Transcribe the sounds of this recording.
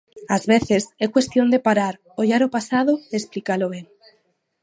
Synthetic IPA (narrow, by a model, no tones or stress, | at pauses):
azβeθe̞sekwe̞st̪jo̞nd̪epaɾaɾ | oʝaɾopasað̞oesplikaloβeŋ